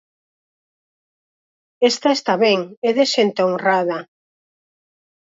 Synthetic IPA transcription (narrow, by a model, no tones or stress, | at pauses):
est̪aest̪aβeŋeðeʃent̪oŋraða